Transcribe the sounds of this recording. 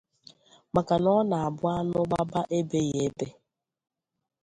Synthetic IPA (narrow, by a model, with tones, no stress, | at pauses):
ma˨ka˨nɔ˦na˨a˨bʊ˦a˦nʊ˦ɡ͡ba˦ba˦ʔe˦be˦je˨˦be˦